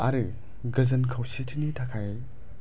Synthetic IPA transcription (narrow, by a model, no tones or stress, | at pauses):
aɾɯ | ɡɐzɐnkʰawsitʰinitʰakʰaj